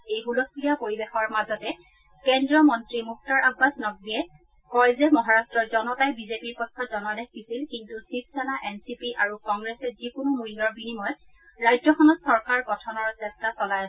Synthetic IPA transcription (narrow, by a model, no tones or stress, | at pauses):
ejɦulɔslijapoɹibexɔɹmazɔtɛ | kɛndɹɔmɔntɹimuk̚tɔɹʔabːasnɔɡɹiɛ | kɔjzɛmɔɦaɹastɹɔɹzɔnɔtajbizepiɹkɔtʰsɔzɔnadɛxɡisilkintusip̚ʰsanaʔɛnsipiʔaɹukɔŋɡɹɛsɛzikʊnumujɡɔɹbinimɔj | ɹajzɔxɔnɔtsɔɹkaɹpɔtʰɔnɔɹsɛstasɔlajasɛ